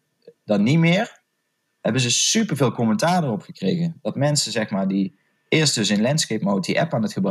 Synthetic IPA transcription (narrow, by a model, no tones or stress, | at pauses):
dɑnitmɪːɹ | hɛbənzəsypəɹveːlˠkɔməntaːɹdərɔpχəkrejɣənd̥ɑtmɛnsəzɛxmaːɹdi | ɪːɹst̚dɵs̬ɪnlɛntskejpmowtiʔɛpaːnətχəbr